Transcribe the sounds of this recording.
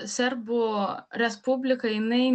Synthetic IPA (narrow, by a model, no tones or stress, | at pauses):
sʲɛɾbʊɾʲɛspʊbʲlʲɪkɐɪnɐɪ